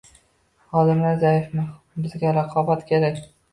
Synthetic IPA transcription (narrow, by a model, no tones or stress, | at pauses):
χɒd̪ɪmlaɾzajɪfmɪ | bɪzɡʲaɾɑqʰɒbat̪kʲʰe̞ɾakʲ